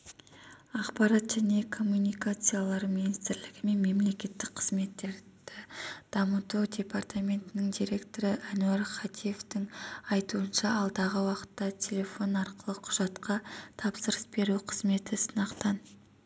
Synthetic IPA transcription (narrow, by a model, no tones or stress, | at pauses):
ɑqpɑɾɑt̪ʒæne̞kʰo̞mːunʲijkat̪sɨjalˠɑɾminist̪ɪɾlɪɡʲɪme̞nme̞mle̞kʲe̞t̪ːɪk̚qʰəzme̞t̪ːe̞ɾd̪̥ɪd̪̥ɑmət̪ud̪ʲe̞part̪amʲe̞nt̪ɪnɪŋd̪ʲijɾe̞kt̪o̞ɾəʔænuaɾχɑt̪ʰije̞ft̪ɪŋɑjt̪uənʃɑɑlˠd̪ɑʁəwɑqə̥t̪ːɑtʲʰe̞lʲe̞fo̞nɑɾqəlˠəqʰʊ̥ʒ̥ɑt̪qɑt̪ʰɑpsəɾəsbe̞ɾuqʰəzme̞t̪ɪsənɑqt̪ɑn